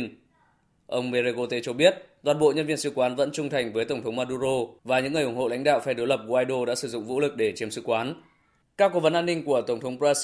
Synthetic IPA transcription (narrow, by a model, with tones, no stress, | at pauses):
n | ʔə˧wŋ͡mme˧ɾe˧ɣo˧t̪e˨˧˦t͡ɕɔ˧ɓi˦˥ət̚ɗ̪waː˨˩nɓo̰˧˨ɲə˧nvi˧ənsɨ̰˧˥kwaː˨˦nvə̰˧˥nt͡ɕʊ˧ŋ͡mt̪ʰa˨˩jŋ̟vəː˨˦jt̪ə˧˩wŋ͡mt̪ʰwŋ͡mmaː˧ɗu˧zo˧vaː˨˩ɲɨ̰˧˥ŋːɨ˨˩jʔʊ˧˩ŋ͡mho̰˧˨la̰˧˥jŋ̟ɗa̰ː˧˨wfaː˧˩jɗɨ˨˦jlə˨˩p̚ɣo˧aː˧jɗo˧ɗa̰ː˧˥sɨ˧˩zʊ̰˧˨ŋ͡mvṵ˧˥lɨ˨˩k̚ɗe˧˩t͡ɕi˨˦əmsɨ̰˧˥kwaː˨˦n | kaː˦˥kːo˧˩və˨˦nʔaː˧nːï˧ŋ̟ku˧˩ət̪ə˧˩wŋ͡mt̪ʰə˨˦wpaː˧